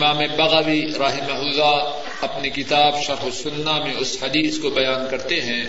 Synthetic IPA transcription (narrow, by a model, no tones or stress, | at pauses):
maːmebɐɣɐʋiɾaːɦɪmɐɦʊːza | ɐpnikɪt̪aːbʃɐɾxosʊnːamẽʊshɐd̪iːskobɐjaːnkɐɾt̪eɦɛ̃ː